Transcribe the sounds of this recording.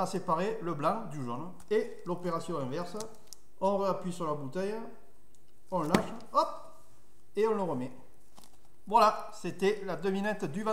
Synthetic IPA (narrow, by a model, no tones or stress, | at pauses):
asepaʁeləblɑ̃d̪yʒɔn | e | lopeʁasjɔ̃ɛ̃vɛʁsə | ɔ̃ʁəapɥisyʁlabut̪ɛj | ɔ̃əlaʃ | ɔp̚ | eɔ̃ləʁəmɛ | vwala | set̪ɛlad̪əminɛt̪d̪yvɛ̃